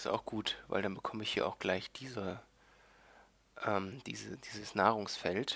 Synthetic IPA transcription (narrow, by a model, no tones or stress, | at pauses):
sa̰ʊxɡ̥uːtva̰ɪldanbəkʰɔməɪçhiːɐʔa̰ʊxɡ̥laɪçd̥iːzɐ | ʔɛːmd̥ḭːzəd̥iːzəsnaːʁʊŋsfɛlt